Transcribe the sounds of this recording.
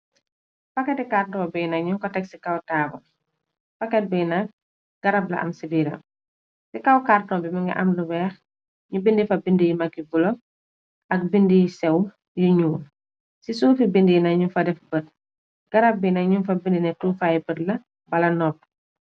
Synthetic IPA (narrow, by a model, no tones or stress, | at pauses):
pɐkːɛtɛkarnɔːbɛjnɐkɲuŋkɔtɛksikɐwtaːbɐ | fɐkːɛt̚bɛjnɐk̚ | ɡ̥ɐɾɐblɐ̰ʔɐ̰msidiːɾɐ̰m | sikɐwkarnɔbimɐŋɡɐ̰ʔɐmluwɛːx | ɲubindifɐbindijimɐkːibulɔ | ɐk̚bindijisɛw | jiɲuː | sisuːfibindijnɐɲufɐdɛfbət̚ | ɡ̥ɐɾɐb̚binɐɲunfɐbindinɛtuːfajibətlɐ | bɐlɐnɔp̚ː